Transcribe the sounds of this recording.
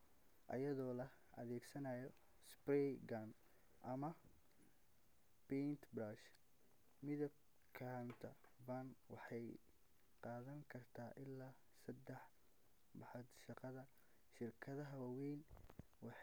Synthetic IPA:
ʔɐjɐðɔːlɐ | ʔɐ̰ðɛːɡsɐnajɔ | sprɛɡɐn | ʔɐmɐ | pɛnt̪ʰbɾaːʃ | mɪðɐb̚ | kʰaːnt̪ʰɐ | bɐnwɑħɑj | qɑːðɐŋkʰɐrt̪ʰaːʔɪlːaː | sɐd̪ɛħ | bɑħɑd̪ʃɑqɑðɐ | ʃɪrkʰɐðɐɦɐwɑwɛjn | wɑħ

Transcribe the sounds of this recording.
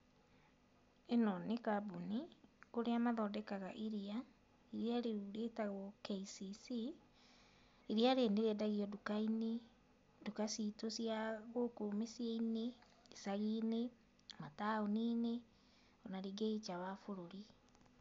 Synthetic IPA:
enɔnekabunikoɾeamaðɔdɛkaɣaʔiɾia | iɾiaɾeuɾetaɣɔkeisisi | iɾiaɾeneɣɛdaɣiɔdukaine | dukasitosjaɣokomesieineː | saɣine | mataonine | ɔnaɾiɡeit͡ʃawafoɾoɾi

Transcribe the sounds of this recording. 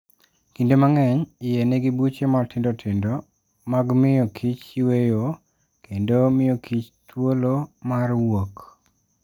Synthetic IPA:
kindomaŋɛɲɪjeneɡibut͡ʃemartɪndotʰɪndo | maɡmɪjɔkʰit͡ʃiwejo | kʰendomɪjokʰit͡ʃtwolomarwok

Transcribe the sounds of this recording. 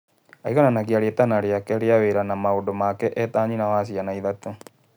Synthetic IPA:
a̰iɣananaɣiaɾetanaɾeakɛɾeaweɾanamaodomakɛʔɛtaːɲinawaːs̬ianaiðato

